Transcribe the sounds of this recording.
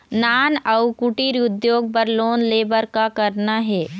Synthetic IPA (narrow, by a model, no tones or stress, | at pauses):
naːnɐʊkuʈiɾʊd̪joːɡ̚pɐɾloːnleːbəɾkakɐɾnaɦɛː